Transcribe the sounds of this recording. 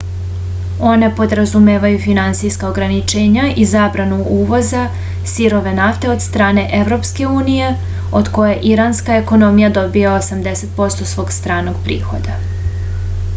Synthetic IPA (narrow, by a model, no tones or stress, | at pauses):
o̞ne̞po̞d̪ɾazumeːʋajufinant̪sijskao̞ɡɾanit͡ʃe̞ːɲaʔizaːbɾanuʔuːʋo̞za | siɾo̞ʋe̞naft̪e̞o̞d̪st̪ɾaːne̞ʔeʋɾo̞pske̞uːnije̞ | od̪ko̞jeʔiɾanskae̞ko̞no̞mijad̪o̞biaosamd̪e̞se̞t̪̚po̞st̪o̞sʋo̞ːɡst̪ɾaːno̞ɡpɾḭːxo̞̰d̪a